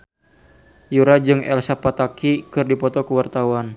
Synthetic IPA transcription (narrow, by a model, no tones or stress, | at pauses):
juɾad͡ʒɨŋɛlsapat̪akʰikɨrdipɔt̪ɔkəwart̪auwan